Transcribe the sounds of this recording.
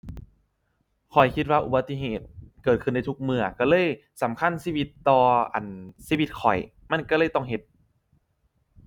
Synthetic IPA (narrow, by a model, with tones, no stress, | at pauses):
kʰɔ˨˩jkʰi˦t̪̬̚waː˧ʔu˨ba˧˥t̪ːi˧˥ɦeː˨˩t̪̚kɤː˨˩t̪̚kʰɯ˧˩na˧jt̪ʰu˦˥k̚mɯ˧˩ɐka˧˩lɤː˧˥˨j | sa˩˦mkʰa˧˥˨nsiː˧˩wi˧˥t̪ːɔː˧ʔa̰˨˩nsiː˧˥˨wi˧˥t̪̚kʰɔ̰˨˩j | ma˧˥˨nka˧˩lɤː˧˩jt̪ɔ˧˥˩ŋɦe˨˧˦t̪̚